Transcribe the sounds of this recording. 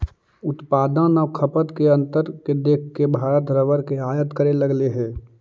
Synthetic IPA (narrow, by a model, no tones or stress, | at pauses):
ʊt̪paːd̪ãnəʋkʰəpət̪keɐ̃nt̪əɾked̪eːkʰkːebʱaːɾət̪ɾəʋəɾkeaːjət̪kəɾeləɡleɦɛ̃ː